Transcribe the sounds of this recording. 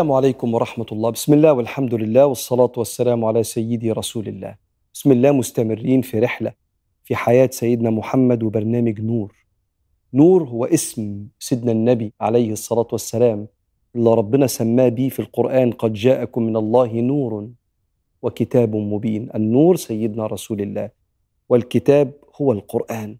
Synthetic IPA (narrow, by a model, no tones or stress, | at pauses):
aːmʕalajkʊmwɑɾˤɑħmat̪lˤːɑːbɪ̥smɪlːæːwalħamd̪ʊlɪlːæːwɑsˤːɑlɑːt̪wasːalaːmʕalaːsajːɪd̪iɾˤɑsuːlɪlːæ̰ːh | bɪsmɪlːæːmʊst̪amɪrːiːnfiɾɪħla | fiħajaːt̪sajːɪd̪næːmʊħamːad̪wɪbɑɾˤnæːmɪɡnuːɾ | nuːɾhʊwːaʔɪsmsɪd̪nænːæbiʕalajhʔɑsˤːɑlɑːt̪wasːælaːm | ʔɪlːɑɾˤɑbːɪnɑsamːaːbiːfilqʊɾʔaːnqɑd̪d͡ʒaːʔakʊmːɪnɑlˤːɑːɦnuːɾˤ | wakɪt̪aːbmʊbiːnʔanːuːɾˤsajːɪd̪naːɾˤɑsuːlɪlːæ̰ːh | wɪlkɪt̪æːb̚hʊwalqʊɾʔaːn